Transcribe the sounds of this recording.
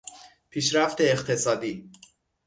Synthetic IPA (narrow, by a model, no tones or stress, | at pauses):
pʰiːʃɾæft̪ʰe̞ːqt̪ʰe̞sɒːd̪iː